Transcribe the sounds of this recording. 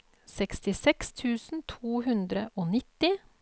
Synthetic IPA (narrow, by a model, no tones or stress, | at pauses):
sɛkst̪ɪsɛkst̪ʰʉːsn̩t̪ʰuːɦʉnd̪ɾəʔoːnɪt̪ɪ